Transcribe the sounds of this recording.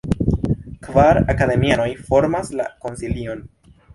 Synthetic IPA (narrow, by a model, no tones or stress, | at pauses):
kvaɾakad̪e̞miano̞jfo̞ɾmasla̰ko̞nsilio̞n